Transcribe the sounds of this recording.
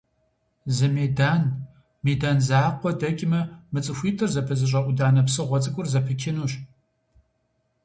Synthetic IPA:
zɨmeːdaːn | meːdaːnzaːqʷɔdɐkʲʼɪmɐmɨt͡sʼɨxʷiːtʰɨrzɐpʰɨzɨɕ̬ʼɐʔʷʊdaːnɐpsɨʁʷɔt͡sʼɨkʷʼʊrzɐpʰɨkʲʰɪnuːʃ

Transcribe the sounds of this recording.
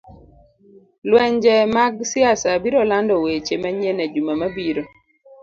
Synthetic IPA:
lwɛɲd͡ʒɛmaɡsɪasabiɾɔlandɔwet͡ʃemaɲenɛd͡ʒumamabiɾo

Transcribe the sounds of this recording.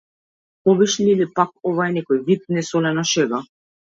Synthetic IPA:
ɔbiʃlʲiilipak̚ɔvaɛnɛkɔjvit̪̚nɛsɔlɛnɔʃɛɡa

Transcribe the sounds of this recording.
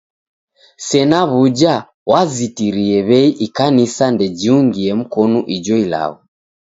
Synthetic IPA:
sɛnaβud͡ʒa | wazitiɾiɛβɛiʔikanisandɛd͡ʒiuŋɡiɛm̩kɔnuʔid͡ʒɔila̰βu

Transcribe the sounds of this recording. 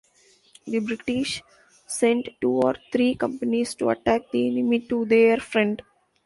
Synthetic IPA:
d̪ibɾɪʈɪʃ | sẽɳʈʈuːɔ̰ːɾt̪ʰɾiːkʌ̃mpənizʈuɐ̰ʈæːk̚d̪iɛnɪmiʈud̪eːɾfɾɛ̃ɳɖ

